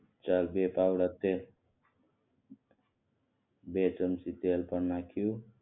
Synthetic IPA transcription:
t͡ʃalbepawɽat̪el | bet͡sʌmsit̪elpʌɾnakʰu

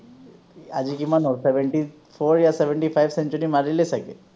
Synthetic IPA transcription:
a̰d͡ʒikimanoseʋeɳʈi | pʰoɾjaseʋeɳʈifʰajbsent͡ʃɔɾimaɾilesakḛ

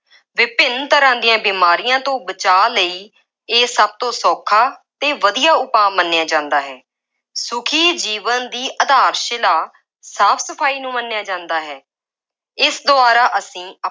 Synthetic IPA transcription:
ʋɪpɪnt̪əɾãːd̪ijãːbiːmaːɾɪjãːt̪õːbət͡ʃaːləiː | eːsəb̚t̪õːsɔːkʰaːt̪ẽːʋəd̪ijaːʊpãːmənːjaːd͡ʒãːnd̪aːɦɛː | sʊkʰiːd͡ʒiːʋənd̪iːʔəd̪aːɾʃɪlaː | saːpʰsəpʰaːiːnũːmənːejaːd͡ʒãːnd̪aːɦɛː | ɪsd̪ʊaːɾaːʔəsĩː

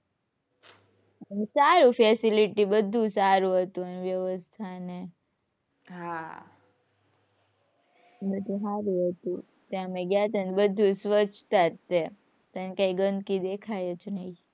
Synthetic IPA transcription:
əmesaɾufesiliʈibəd̪ʱːũsaɾũɦət̪ũəneʋjəʋəst̪ʰane | ɦa | bəd̪ũɦaɾuɦət̪ũ | t̪jãəmeɡjat̪ənbəd̪ʱũsʋət͡ʃʰt̪at̪ːe | t̪enekãiɡə̃nd̪kid̪ekʰajət͡ʃnəĩ

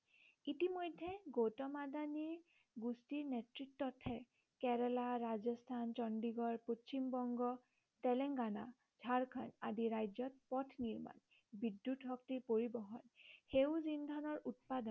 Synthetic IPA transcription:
itimojdʱːɛɡotɔmadaniɹ | ɡustiɹnetɹitːɔtʰɛ | kɛɹɛlaɹazɔstʰant͡ʃɔndiɡɔɹpot͡ʃimbɔŋɡɔ | tɛlɛŋɡana̰ | d͡ʒʱaɹkʰanadiɹajd͡ʒɔt̚pɔtʰniɹma̰n | bidːutɦɔk̚tipoɹibɔɦɔnxewzind̪ʱanɔɹut̚padɔn

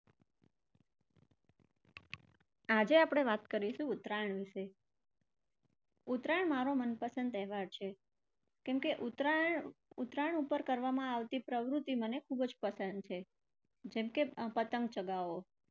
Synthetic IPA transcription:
ad͡ʒeapɽ̃eʋat̪kəɾiʃũːt̪ɾaɳʋɪʃe | ut̪ɾaɳmaɾomənpəsənd̪ɛɦʋaɾt͡ʃʰe | kɛmkeʔut̪ɾaɳut̪ɾaɳupəɾkəɾʋamãaʋt̪ipɾəʋɾut̪ːimənekʰubd͡ʒpəsənd̪̚t͡ʃʰe | d͡ʒɛmkepət̪əŋɡ̚t͡ʃəɡaʋo

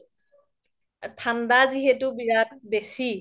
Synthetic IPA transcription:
tʰandaziɦɛtʊbiɹat̚besi

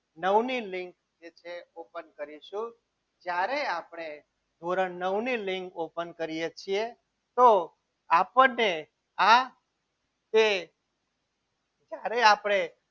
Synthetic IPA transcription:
nəʋnilɪ̃ŋk | d͡ʒet͡ʃʰeopənkəɾiʃũ | d͡ʒjaɾeapɽ̃e | d̪ʱoɾənəʋnilɪŋkopənkəɾijet͡ʃʰie | t̪o | apəe | a | t̪e | d͡ʒjaɾeapɽ̃e

